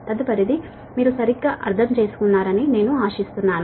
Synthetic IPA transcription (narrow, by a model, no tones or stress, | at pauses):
t̪ɐd̪upɐd̪id̪i | miːɾusɐɾiɡːaːʔɐ̰ɾt̪ʰɐmt͡ʃe̞ːsu̥kunːaːɾɐnine̞ːnuaːʃist̪unːaːnu